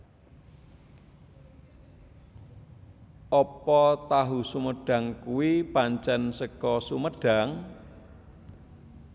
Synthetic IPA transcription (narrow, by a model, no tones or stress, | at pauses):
ʔɔpɔt̪aɦusuməɖ̥a̤ŋkuwipaɲt͡ʃɛnsəkɔsuməɖ̥a̤ŋ